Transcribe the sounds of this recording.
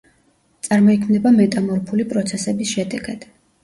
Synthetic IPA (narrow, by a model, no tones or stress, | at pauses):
t̪sʼaɾmɔikʰmnɛbamɛt̪ʼamɔɾpʰulipʼɾɔt̪sʰɛsɛbisʃɛd̪ɛɡad̪̥